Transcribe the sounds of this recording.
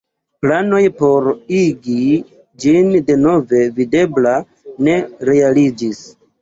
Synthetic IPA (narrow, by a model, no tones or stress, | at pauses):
plano̞jpo̞ɾiɡi | d͡ʒinde̞no̞ve̞vide̞bla | ne̞ɾe̞alid͡ʒis